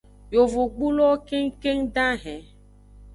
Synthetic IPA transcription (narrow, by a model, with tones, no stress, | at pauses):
jo˨vo˨ɡ͡bu˦lɔ˦ke˦ŋ˦ke˦ŋɖã˦ɦɛ̃˨